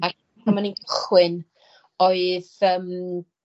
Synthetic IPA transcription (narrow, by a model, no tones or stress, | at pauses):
a | amaniɡʊχwɨn | oɨðəm